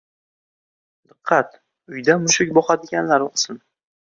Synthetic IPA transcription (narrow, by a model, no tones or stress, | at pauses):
d̪ɨqʰːɑt̪ | ʊjd̪amʊʃɪkʲbɒqad̪ɪɡʲanlaɾʊqsɪn